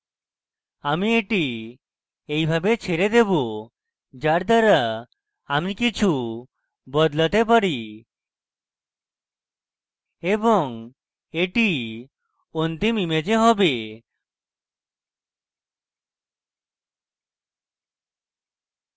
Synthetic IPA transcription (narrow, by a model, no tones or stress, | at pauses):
amieʈi | ejbʱabet͡ʃʰeɾed̪ebo | d͡ʒaɾd̪aɾa | amikit͡ʃʰu | bɔd̪lat̪ep̬aɾi | ebɔŋ | eʈi | ont̪imimed͡ʒeɦɔbe